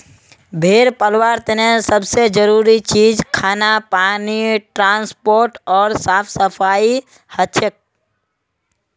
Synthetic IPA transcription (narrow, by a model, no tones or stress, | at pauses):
bʱeːɾpəlwaːɾt̪ɪnẽsəbsed͡ʒəɾuːɾit͡ʃiːd͡ʒkʰaːnapaːniʈɾãːnspoːɾʈɔːɾsaːpʰsəpʰaːi | hət̪ːʃʰək̚